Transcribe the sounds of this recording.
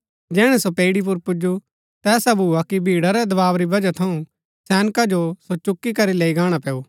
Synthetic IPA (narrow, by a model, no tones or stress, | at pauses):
d͡ʒɛːɽ̃ɛ̃sopeːɪɽip̬ʊɾpʊd͡ʒu | t̪ɛːsɐbʱuakibʱiːɽaɾɛd̪ɐbaːʋɾibɐd͡ʒat̪ʰɐũ | sɛːnkad͡ʒosot͡ʃʊkːikɐɾileiɡaːɽ̃apɛːuː